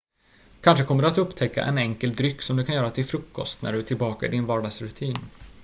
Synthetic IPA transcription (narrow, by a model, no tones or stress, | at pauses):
kʰanʂəkʰɔmːəɖɵat̪ɵpːt̪ʰɛkːa̰ʔɛ̰nɛŋkəld̪ɾʏkːsɔmd̪ɵkʰanjœːɾat̪ʰɪlfɾɵkːɔst̪næ̰ɖɵt̪ʰɪlbɑːkaɪd̪ɪnvɑːɖɑːɡsɾɵt̪ʰiːn